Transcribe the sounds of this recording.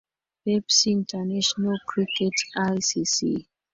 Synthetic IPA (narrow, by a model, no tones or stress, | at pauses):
wɛpsĩntʰanɛʃɔnalkʰɹikɛtajsisḭ